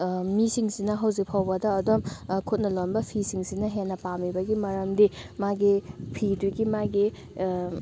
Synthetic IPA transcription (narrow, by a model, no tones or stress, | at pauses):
misiŋsinɐɦɐwzik̚pʰawbɐdɐːdomkʰut̚nɐlonbɐpʰisiŋsinɐɦenːɐpamibɐɡimɐɾɐmdimaɡipʰiduɡimaɡi